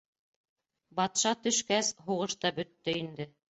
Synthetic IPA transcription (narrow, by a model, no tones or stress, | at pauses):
bɑt̪ʃɑt̪ɵ̆ʃkæsɦuʁɤʃt̪ɑbɵ̆t̪ːɵind̪ɘ